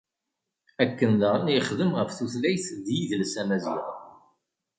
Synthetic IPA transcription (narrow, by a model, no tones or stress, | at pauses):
ækːənðʁnjəχðəmʁəfθuθlæjθd̪jiðlsæmæziʁ